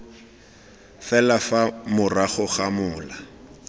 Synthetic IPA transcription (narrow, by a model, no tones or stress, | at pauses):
fɛlafamʊraχʊχamʊːla